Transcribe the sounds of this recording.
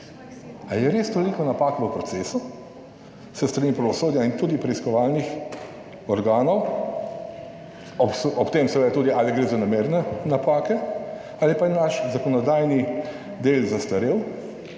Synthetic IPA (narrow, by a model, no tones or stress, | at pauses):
ajɛɾeːst̪olikɔnapaːkʋəpɾɔtseːsu | səst̪ɾanipɾaʋɔsoːd̪jaint̪uːd̪ipɾɛiskɔʋaːlnix | ɔɾɡaːnɔw | ɔpsɔpt̪eːmsɛʋeːd̪at̪uːd̪iaːliɡɾeːzanameɾnɛnapaːkɛ | aːlipanaʃzakɔnɔd̪aːjni | d̪eːlzast̪ɐɾew